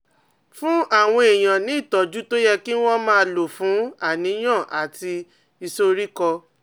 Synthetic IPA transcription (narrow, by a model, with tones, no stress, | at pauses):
fũ˦ʔa˦˨w̃ɔ̃˧e˨j̃ã˨nĩ˨˦i˦˨tɔ˨d͡ʒu˦to˦jɛ˧ki˦w̃ɔ̃˦mãː˦˧˦lo˨fũ˨˦a˨nĩ˨˦j̃ã˦˨ʔa˨ti˧ | i˧so˧ɾi˦kɔ˧